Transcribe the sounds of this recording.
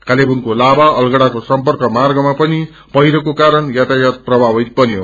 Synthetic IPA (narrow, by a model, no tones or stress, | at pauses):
kalebuŋkolabaʌlɡʌɽakosʌmpʌrkʌmarɡʌmapʌni | pʌjɾʌkokaɾʌnjat̪ajʌt̪̚prʌbʱabʌt̪̚bʌnjo